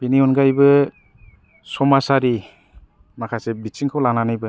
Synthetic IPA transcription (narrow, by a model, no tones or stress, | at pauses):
piniɔnɡajbɯ | sɔmasaɾi | makʰasebit͡ʃiŋkʰawlaŋnanajbɯ